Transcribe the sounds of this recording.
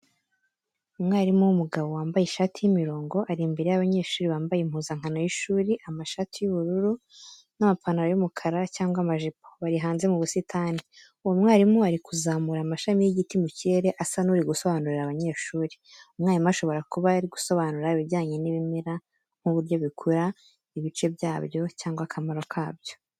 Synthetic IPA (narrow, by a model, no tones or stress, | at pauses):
umŋaːɾimuwumuɡaβo̞waːmbajiʃatʰijimiɾo̞ːŋɡo̞ʔaɾimbeɾejaβaɲe̞ːʃuːɾiβaːmbajim̥huːzaŋ̥ano̞jiʃuːɾiʔamaʃatijuβuɾuɾu | namapanaɾajumukʰaɾacaːŋɡwamaʒipoβaɾiɦaːnze̞muβusitʰaːni | uwomwaːɾimuaɾikuzaːmuɾamaʃamijeɟitimuciɾe̞ɾe̞ʔasanuɾiɡuso̞βanuɾiɾaβaɲe̞ːʃuːɾiumŋaːjimaʃo̞βo̞ɾakuβaɾiɡu̥so̞βanuɾaiβiɟaːɲeniβimiɾa | ŋ̥huβuɾjo̞βikʰuɾa | iβit͡ʃe̞bjaːbjo̞caːŋɡwakʰamaɾo̞kʰaːbjo̞